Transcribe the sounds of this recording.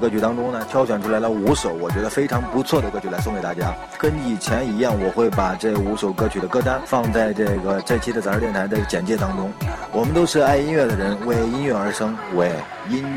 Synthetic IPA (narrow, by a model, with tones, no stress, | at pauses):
kɤ˥t͡ɕʰy˧˥t̪ɑ˥ŋʈ͡ʂʊ˥ŋnə˨t̪ʰjɑ˥ʊɕɥɛ˨˩nʈ͡ʂʰu˥la˧˥ɪlə˧u˧˥ʂo˨˩ʊwɔ˨˩t͡ɕɥɛ˧˥d̪ə˧fe˥ɪʈ͡ʂʰɑ˧˥ŋpu˧˥t͡sʰwɔ˥˩d̪ə˩kɤ˥t͡ɕʰy˧la˧˥sʊ˥˩ŋke˧˩ɪa˥˩t͡ɕja˥ | kə˥ni˨˩t͡ɕʰjɛ˧˥ni˧˥jɑ˥˩ŋwɔ˨˩xwe˥˩ɪpa˨˩ʈ͡ʂɤ˥˩ɡu˧˥ʂo˨˩ʊkɤ˥t͡ɕʰy˨˩ə˦kɤ˥˩t̪a˥nfɑ˥˧ŋt͡sa˥˧ɪʈ͡ʂɤ˥˩ɡə˩ʈ͡ʂɤ˥˩t͡ɕʰi˥d̪ə˧˩a˞˨˧˥jɛ˥˩nt̪ʰa˧˥d̪ə˧t͡ɕjɛ˨˩nt͡ɕjɛ˥˩t̪ɑ˥ŋʈ͡ʂʊ˥ŋwɔ˨˩mə˦nt̪o˥ʊʂɻ̩˥˧a˥˩ɪi˥nɥɛ˥˩d̪ə˩ɻə˧˥nwe˥˩ɪi˥nɥɛ˥˩ə˞˧˥ʂɤ˥ŋwe˧˥˩ɪ | i˥n